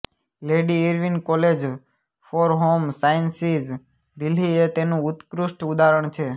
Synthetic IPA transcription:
leɖiiɾʋinkɔled͡ʒ | fɔɾɦomsajənsid͡ʒ | d̪iliet̪enũut̪kɾuʃʈud̪aɾəɳ̃t͡ʃʰe

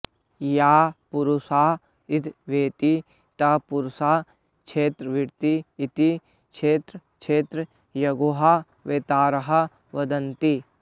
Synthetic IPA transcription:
jaːpʊɾusaː | ɪt̪ʰʋeːt̪i | t̪ɐpʊɾsaː | t͡ʃʰeːt̪ɾʋɪɽt̪iːt̪i | t͡ʃʰeːt̪ɾə | t͡ʃʰeːt̪ɾə | jɐɡoɦa | ʋeːt̪aːɾɐɦɐ | ʋɐd̪ɐnt̪i

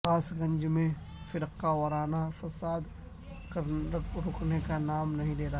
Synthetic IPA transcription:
aːsɡɐ̃ɲd͡ʒmẽ | fɪɾqːawɐɾaːnafɐsaːd̪ | kɐɾɾʊknekanaːmnɐɦĩleːɾa

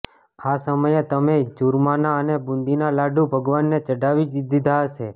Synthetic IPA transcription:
asəməjet̪əmed͡ʒuɾmanaənebũnd̪inalaɖũbʱəɡʋanːet͡ʃəɖaʋiid̪id̪ʱaɦəʃe

